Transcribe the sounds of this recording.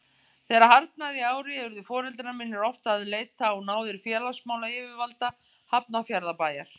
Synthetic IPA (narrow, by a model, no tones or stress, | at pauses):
θɛːɾaɦaɾt̪naðiaːwɾɪɛvʏɾðʏfɔːɾɛlt̪namɪnɪɾɔft̪aːðleːjt̪aɔnaːwðɪɾ̥fjɛːlasmaːwlaɪvɪvalt̪a | hap̚nafjaɾðapaːjaɾ̥